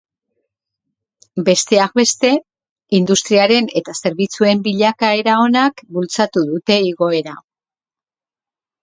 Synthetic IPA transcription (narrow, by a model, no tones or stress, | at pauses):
be̞st̪e̞ak̚be̞st̪e̞ | ind̪ust̪ɾiaɾe̞ne̞t̪ase̞ɾβ̞it͡sue̞mbiʎakae̞ɾao̞nakbult͡sat̪uðut̪e̞iɣo̞e̞ɾa